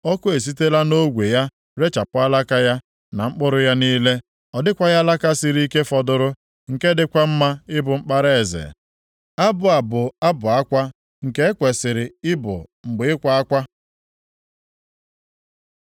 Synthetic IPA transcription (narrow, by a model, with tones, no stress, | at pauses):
ɔ˦kʊ˦e˨s̬i˦te˦la˦no˦ɡʷe˨ja˦ | ɾe˦t͡ʃa˨pʊ˦a˦la˦ka˦ja˦ | na˨ŋ͡m̩˦k͡pʊ˦ɾʊ˦ja˦niː˦le˦ | ɔ˨dɪ˦kʷa˦ja˦la˦ka˦sɪ˨ɾi˦i˦ke˦fɔ˨dʊ˦ɾʊ˦ | ŋ̩˨ke˦dɪ˦kʷa˦m̩˦ma˦ɪ˦bʊ˨ŋ͡m̩˦k͡pa˦ɾe˦e˨zḛ˨ | a˦bʊ˨a˨bʊ˨a˦bʊ˨a˦kʷa˦ | ŋ̩˨ke˦e˦kʷe˨sɪ˨ɾɪ˨ɪ˦bʊ̰˨ŋ͡m̩˨ɡ͡bɪ˨ɪ˦kʷa˨a˦kʷa˦